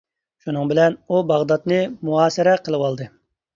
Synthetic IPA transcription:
ʃunɨŋbɪlɛnubɑʁd̪ɑt̪nɨmuɑːsɨɾɛqʰəlˠɨwɑlˠd̪ɨ

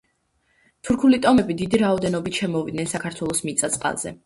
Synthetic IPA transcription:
t̪ʰuɾkʰulit̪ʼɔmɛbid̪id̪iɾaɔd̪ɛnɔbit̪ʰʃɛmɔvid̪̚nɛnsakʰaɾt̪ʰwɛlˠɔsmit̪sʼat̪sʼqʼa̰lˠzɛ̰

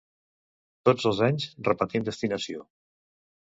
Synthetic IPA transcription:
t̪od͡zəlˠzaɲzrəpət̪imd̪əst̪inəsio

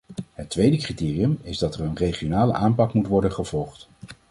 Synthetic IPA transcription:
ɦətʋejdəkritɪːriəmɪzdɑtɛrənrejχionaːlə̰ʔaːmpɑkmutʋɔɹdənχəv̥ɔlˠχt

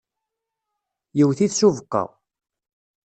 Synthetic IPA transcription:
jiwθiθsuvəqːɑ̰ʁ

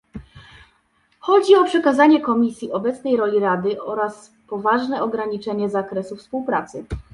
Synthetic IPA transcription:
xɔd͡ʑiɔpʂɛkazaɲɛkɔmʲisʲjiʔɔbɛt̪snɛjɾɔlʲiɾad̪ɘʔɔɾas | pɔvaʐnɛɔɡɾaɲit͡ʂɛɲɛzakɾɛsufspuwpɾat̪sɘ

